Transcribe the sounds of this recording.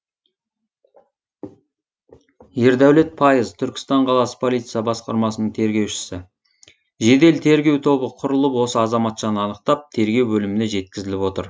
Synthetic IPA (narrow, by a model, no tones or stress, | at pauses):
je̞ɾd̪æwle̞t̪̚pʰɑjəzt̪ʰʏɾkʲɪ̥st̪ɑɴqʰɑlˠɑsə̥pʰo̞lijt̪sijɑbɑsqɑ̰ɾmɑsənəɴt̪ʰe̞ɾɡʲe̞wʃɪ̥sɪ | ʒe̞d̪e̞lt̪ʰe̞ɾɡʲe̞wt̪ʰo̞bəqʰʊɾəlˠəpwo̞səɑzɑmɑt̪ʒɑnəɑnəq̚t̪ɑp̚t̪ʰe̞ɾɡʲe̞wbɵlɪmɪne̞ʒe̞t̪̚kʲɪzɪlɪpwo̞t̪ə̰ɾ